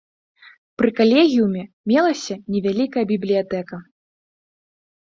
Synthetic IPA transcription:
pɾɨkalʲeɣʲijumʲɛ | mʲɛlˠɐsʲɐnʲɛvʲalʲikɐjɐbʲiblʲijat̪ɛkɐ

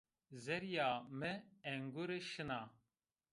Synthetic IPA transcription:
zɛɾjaːmɨɛŋɡuɾɨʃɨnaː

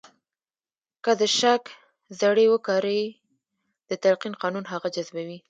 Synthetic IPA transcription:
kəd̪əʃak | zaɽewəkɑɾəj | d̪̥ət̪aɾqinqɑnunɦaɣad͡ʒazbawi

